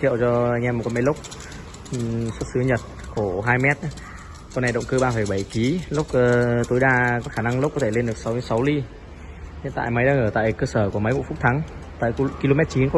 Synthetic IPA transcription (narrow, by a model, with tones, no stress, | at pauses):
kʰḭ˧˨əwt͡ɕɔ˧ʔa˧jŋʔɛ˧mː˨˩ka˨˧˦mə˨˦jlk͡p̚ | swt̚sɨ˨˦ɲə˨˩t̚ku˧˩əɦaː˧jmɛ˦˥t̚ | kːna˨˩jɗə̰˧˨wŋ͡mkɨ˧ɓaː˧feː˧˩ɓa˧˩jki˨˦lʊ˦˥k͡p̚ːt̪o˨˦jɗaː˧kɔ˨˦xaː˧˩na˧ŋlk͡pkːɔ˨˦t̪ʰe˧˩le˧nɗɨ˨˩ək̚ssa˨˦wli˧ | ɲə̰˧˩nt̪a̰ː˧˨jmə˨˦jɗaː˧ŋəː˧˩t̪a̰ː˧˨jkəː˧səː˧˩ku˧˩əmə˨˦jmṵ˧˥fʊ˦˥k͡p̚t̪ʰa˨˦ŋt̪aː˧˨jki˧lo˧mɛ˦˥t̚t͡ɕi˨˦nkɔ˨˧˦